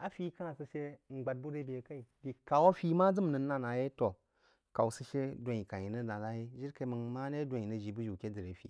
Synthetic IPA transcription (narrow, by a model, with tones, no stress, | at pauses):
a˨fi˦ka˦na˨sɨ˨ʃe˦ŋ͡m̩˨ɡ͡ba˨t̚bu˦ɾe˦bi˨e˨ka˦i˨bi˨ka˨wo˦fi˦ma˦d͡zɨ˦m˨nə˨˦a˦na˨je˦to˨ | ka˨wsə˦ʃe˦dʷo˨i˨ka˨ji˨nə˦da˨la˦je˦ʒi˦ɾka˨i˦mə˨nma˦ne˦dʷa˨ji˨nə˨ʒi˨bu˦ʒi˨kʲe˦də˨ɾe˨fḭ˨